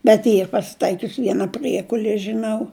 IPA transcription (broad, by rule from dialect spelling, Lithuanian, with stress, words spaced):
bʲɛt ˈiːr pɐsʲɪˈtɐɪkʲʊs ˈʋʲiɛnɐ ˈpʲrʲiɛkʊlʲiɛ ʒʲɪˈnɐʊ